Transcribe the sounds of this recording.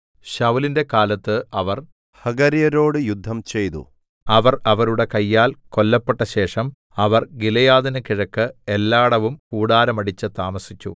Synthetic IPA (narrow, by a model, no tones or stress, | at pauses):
ɕɐwlinde̞kaːlɐt̪ːɨɐʋɐr | hɐɡɐɾijɐɾo̞ːɽɨjud̪ʱːɐmt͡ɕe̞jt̪ṵ | ɐʋɐrɐʋɐɾuɽe̞kɐjːaːlko̞lːɐpːeʈːɐɕe̞ːʂɐm | ɐʋɐrɡilɐjaːðinɨkiɻɐkːɨelːaːɽɐʋumkuːɽaːɾɐmɐɽit͡ɕːɨt̪aːmɐsit͡ɕːṵ